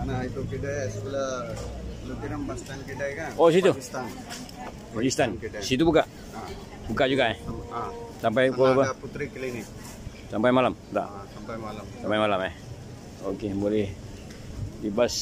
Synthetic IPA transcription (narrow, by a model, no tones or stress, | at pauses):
nait̪ukiɖajasbula | lut̪inəmbast̪ankiɖajkanosit̪ust̪an | d͡ʒist̪ansit̪̬ubuka | bukad͡ʒuɡae | sampajkobəput̪ɾiklinik | sampajmalamt̪a̰sapajalamsampajmalamah | okebolɛh | dibas